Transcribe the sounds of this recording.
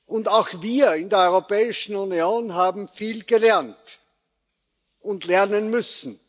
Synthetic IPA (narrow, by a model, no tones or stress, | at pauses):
ʔʊndaʊxviːɐɪndeːɐɔʏʁopɛːɪʃn̩unijoːnɦaːbm̩fiːlɡ̥əlɛɐnt | ʊntlɛɐnənmʏsn̩